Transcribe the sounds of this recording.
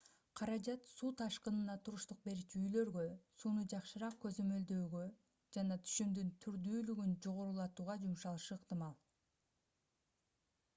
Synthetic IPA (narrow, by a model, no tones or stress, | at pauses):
qʰɑɾɑd͡ʒɑt̪suːt̪ʰɑʃqɯnɯnɑt̪ʰuɾuʃt̪uq̚be̞ɾit͡ʃyjlø̞ɾɡø̞suːnud͡ʒɑqʃɯɾɑq̚kø̞zø̞mø̞ld̪ø̞ːɡø̞ | d͡ʒɑnɑt̪ʰy̥ʃymd̪ynt̪ʰyɾd̪yːlyɡynd͡ʒo̞ʁo̞ɾulˠɑt̪uːʁɑd͡ʒumʃɑlˠʃɯɯqt̪ɨmɑlˠ